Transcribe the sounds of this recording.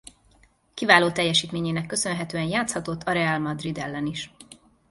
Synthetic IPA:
kivaːloːt̪ɛjːɛʃiːt̪meːɲeːnɛkːø̞sø̞nɦɛt̪øːɛnjaːt̪shɒt̪ot̪ʰːɒɾɛalmɒd̪rid̪ɛ̰lːɛniʃ

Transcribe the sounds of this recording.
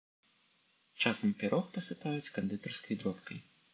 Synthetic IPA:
t͡ʂasɐmpʲaɾʔɔxpɐsɨpajut͡sʲkɐnd̪ɨd̪ɐrskɐjd̪ɾɔpkɐj

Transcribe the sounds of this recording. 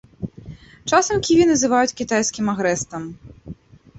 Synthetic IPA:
t͡ʂasɐmkʲivʲinɐzɨvajut͡sʲkʲit̪ajsʲkʲimaɣɾɛst̪ɐm

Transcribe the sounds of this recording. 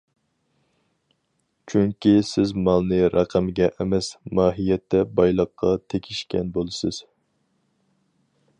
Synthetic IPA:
t͡ʃʰyŋkʲisɪzmɑlˠnɨɾɑqʰæmɪɡʲɛʔemɛsmɑːɦijɛt̪ʰːɛbɑjlˠəqʰːɑt̪ʰekʲʰiʃkʲɛ̰nbolˠɨsɪz̥

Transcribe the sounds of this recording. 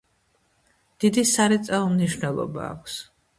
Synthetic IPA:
d̪̥id̪isaɾɛt̪sʼɛlˠɔmniʃnɛlˠɔ̰ba̰ːkʷʰs

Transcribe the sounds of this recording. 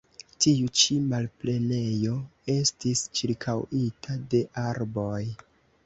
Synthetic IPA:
tiut͡ʃimalple̞ne̞jo̞e̞stist͡ʃiɾkʰawitʰade̞ʔaɾbo̞j

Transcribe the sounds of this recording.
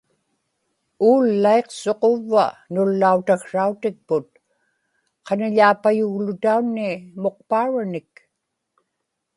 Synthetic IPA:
uːlːae̞qso̞qo̞vːa̰nʊlːaut̪akʂaut̪ɪk̚pʊt̪̚ | qʰɑnaʎaːpajuɣlʊt̪aunːiɪmo̞q̚paːɻanɪk

